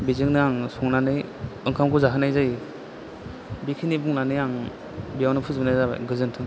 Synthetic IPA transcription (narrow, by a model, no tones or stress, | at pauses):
bizɯŋnɯaŋsɔŋnanɯjɯŋkʰamkʰuzaɦɯnajzaj | bikʰinibuŋnanɯjaŋ | bijawnɯpʰɯzbnajza̰ɡɯzɯntʰɯŋ